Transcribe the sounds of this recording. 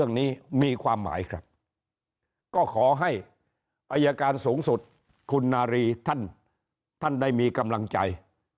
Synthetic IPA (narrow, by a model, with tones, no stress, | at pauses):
əŋniː˦˥˩miː˧kʰwaː˧mːa̰ː˩˦jkʰɾa˦˥p̚ | kɔː˥˩kʰɔː˩˦ɦa˥˩j | ʔaː˧jaː˧kaː˧nsuː˩˦ŋsu˨˩t̪̚ | kʰu˧nːaː˧ɾiː˧t̪ʰa˥˩n | t̪ʰa˥˩ndaː˥˩jmiː˧ka˧mla˧ŋt͡ɕa̰˧j